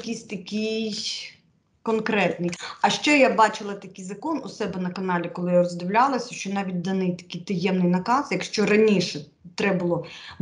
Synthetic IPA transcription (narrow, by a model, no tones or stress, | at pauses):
kʲisʲt̪ɐkʲij | kɔnkɾɛt̪nɪjɐʃt͡ʃɛjabɑt͡ʃɪlˠɐt̪ɐkɪjzɐkɔnʊsɛbɛnɐkɐnɑlʲikɔlˠɪjarɔzd̪ɪwlʲalˠɐsʲɐʃt͡ʃɔnɑʋʲit̚ʲd̪ɐnɪjt̪ɐ̥kʲijt̪ɐjɛmnɪjnɐkɑsjɐkʃt͡ʃɔɾɐnʲiʃɛ | t̪ɾɛbʊlˠɔ